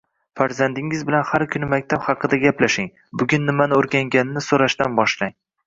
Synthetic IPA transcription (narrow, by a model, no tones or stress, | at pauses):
faɾzand̪ɪŋɪzbɪlanhaɾkʰʊnɪmakʲt̪ʰaphɑqɨd̪aɡʲaplaʃɪŋ | bʊɡʲʊnːɪmanɪoɾɡʲaŋɡʲanɪnɪsoɾaʃt̪anbɒʃlaŋ